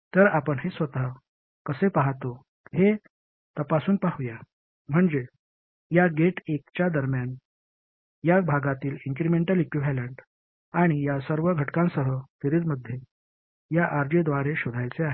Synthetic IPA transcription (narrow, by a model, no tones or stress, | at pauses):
t̪əɾapəɳɦesʋət̪a | kəsepaɦt̪o | he | t̪əpasuːnpaɦuja | m̤əɳd͡ze | jaɡeʈekt͡ɕjad̪əɾmjan | jabʱaɡat̪iːliŋkɾimeɳʈəlekʋiʋæləɳʈ | aɽ̃ijasəɾʋəɡʱəʈkãnsəɦət̪eɾit͡sməd̪ʱːje | jaʔaɾd͡ʑed̪ʋaɾeɕod̪ʱajt͡seaɦe